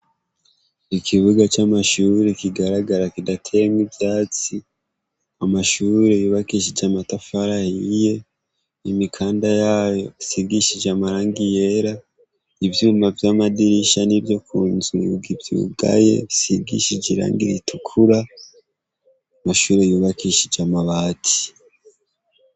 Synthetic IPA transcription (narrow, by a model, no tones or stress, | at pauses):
ikʰiβuɡat͡ʃamaʃuːɾekiɡaɾaɡaɾakidatʰeɾmwibjaːt͡si | amaʃuːɾe̞juːβakiʃid͡ʒamatafaɾahije̞ | imikʰaːndajaːjo̞siɾɡiʃid͡ʒamaɾaːŋɡije̞ɾa | ivjuːmavjamadiɾiʃanivjo̞kʰuːnzuɾuɡivjṵːɡa̰je̞̰isiɾɡḭʃid͡ʒiɾa̰ːŋɡiɾitukʰuɾa | amaʃuːɾe̞juːβakiʃid͡ʒamaβaːtʰi̥